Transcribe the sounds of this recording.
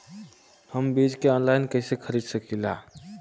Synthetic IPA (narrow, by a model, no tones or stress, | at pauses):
həmbid͡ʒkeɔːnlaɪnkəɦsekʰəɾiːd̪səkilaː